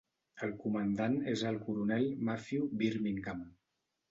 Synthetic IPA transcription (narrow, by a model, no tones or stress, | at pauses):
əlˠkumənd̪anezəlˠkuɾunɛlmafiubiɾmiŋkam